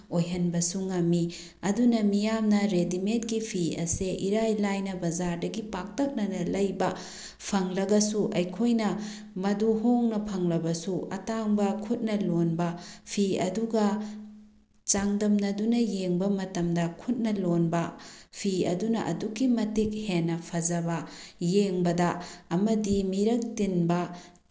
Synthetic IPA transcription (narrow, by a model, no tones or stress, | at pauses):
ojɦɐnbɐsuŋɐmːi | ɐdunɐmijamnɐɾedimet̚ɡipʰiɐ̰seʔiɾajlajnɐbɐzaɾdɐɡipak̚tɐk̚nɐnɐlɐjbɐ | pʰɐŋlɐɡɐsuʔɐjkʰojnɐ | mɐduɦoŋnɐpʰɐŋlɐbɐsuɐ̰taŋbɐkʰut̚nɐlonbɐpʰiɐduɡɐ | t͡ʃaŋdɐmnɐdunɐjeŋbɐmɐtɐmdɐkʰut̚nɐlonbɐpʰiɐ̰dunɐ̰ʔɐ̰dukːimɐtik̚henːɐpʰɐzɐbɐjeŋbɐdɐːmɐdimiɾɐk̚tinbɐ